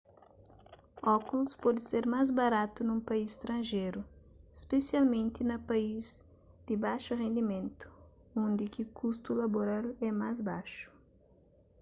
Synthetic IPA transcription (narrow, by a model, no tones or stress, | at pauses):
ɔkulspɔd̪ɪseɾmazbaɾat̪unũmpaisst̪ɾɐ̃nʒeɾu | espesjalmẽnt̪inɐpaiz | d̪̥ɪbaʃuʁẽnd̪imẽnt̪u̥ | õnd̪ikikʰust̪ulaboɾalɛmazbaʃu̥